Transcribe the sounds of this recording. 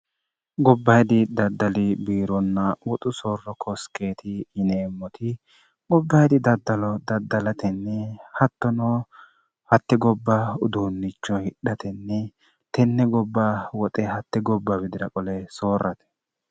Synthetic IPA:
ɡɔbːɐjd̪ɪd̪ɐd̪ːɐlɪbiːɾɔnːɐwɔt̪ʼʊsoːrːɔkʰɔske̞ːt̪ʰɪɪneːmːɔt̪ʰɪ | ɡɔbːɐjd̪ɪd̪ɐd̪ːɐlɔd̪ɐd̪ːɐlɐt̪ʰɛnːɛhɐt̪ːɔnɔ | hɐt̪ːɪɡɔbːaʊd̪uːnːɪt͡ʃːɔhɪɗːɐt̪ɛnːɛ | t̪ɛnːɛɡɔbːawɔt̪ʼɛhɐt̪ːɪɡɔbːɐbɪd̪ɪɾɐkʼɔlɛsoːrːɐt̪ɛ̥

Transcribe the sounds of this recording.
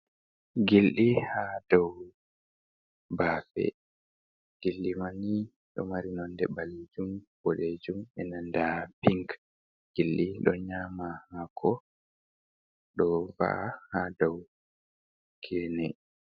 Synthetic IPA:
ɡilɗihadɔw | baːfɛ̰ | ɡ̥ilːimani | ɗɔ̰maɾinɔndɛbaled͡ʒumb̥ɔɗed͡ʒumɛnandapiŋk | ɡ̥ilɗiɗɔɲamahakʰɔ | ɗɔva̰hadɔw | kʰɛnɛ

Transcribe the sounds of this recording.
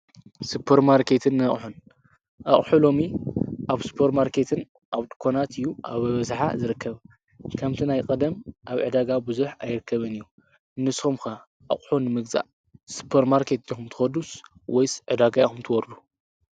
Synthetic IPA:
supʰːɐɾmaɾkʰe̞t̪ʰɨnːɐχʼħun | ʔɐχʼħulo̞miʔaβsu̥pʰɐɾmaɾkʰe̞t̪ʰɨn | ʔaβt̪ʼɨ̥kʰonat̪ɨjːua̰βɨβɐzħa̰zɨɾɨkʰːɐβ | kʰɐmt̪ʰinajkʼɐd̪ɐmʔaβʕɨd̪aɡabɨzuħajɾɨkːɐβɨnɨjːu | nːɨsxumkɐ | ʔɐ̰χʼħunɨmɨɡza̰ʔ | su̥pʰːɐɾmaɾkʰe̞t̪xumt̪ʰɨ̥xɐd̪us | wɔjsʕɨd̪aɡajxumt̪ʰɨwɔɾlu

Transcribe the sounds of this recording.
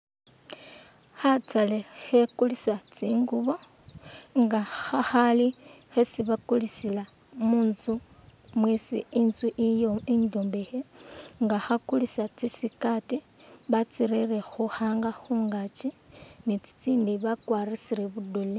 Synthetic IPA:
xat͡salexe̞kulisat͡siːŋɡuβo̞ | ŋɡaxaxalixesiβakulisila | muːnzumwisḭinzwiʔijoindombexeŋɡaxakulisat͡sisikati | βat͡siɾerexuxaːŋɡaxuːŋɡat͡ʃinit͡si̥t͡siːndiβakwaɾisiɾeβudole

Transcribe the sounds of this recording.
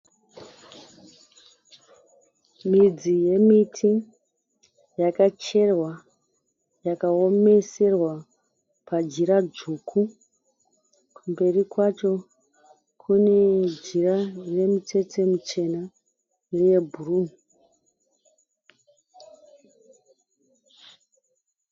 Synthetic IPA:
mid͡zije̞mitʰi | jakat͡ʃe̞rwa | jakao̞me̞se̞rwa | pad͡ʒiɾad͡zukʰu | kʰumbe̞rikwat͡ʃo̞ | kʰune̞d͡ʒirare̞mite̞te̞mut͡ʃe̞na | neje̞bʱuru

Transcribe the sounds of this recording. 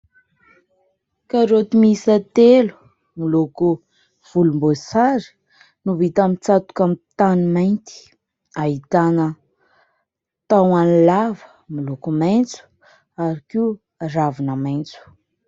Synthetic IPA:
kaɾot̪imisət̪elu̥ | miloku | v̥ulumbosaɾi̥ | nuvit̪amit͡sat̪u̥kamit̪animajnt̪i̥ | aɦit̪anə | t̪awanilavə | milokumajnt͡su̥ | aɾikiu | ravinəmajnt͡su̥

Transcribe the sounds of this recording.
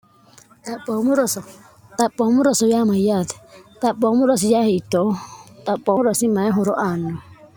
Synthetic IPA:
t̪apɔmuɾɔsɔ | t̪apɔmuɾɔsɔjamajat̪ɛ̥t̪apɔmuɾɔs̬ijahiit̪ɔt̪apɔɾɔsimaɛɦɔɾɔʔanɔ

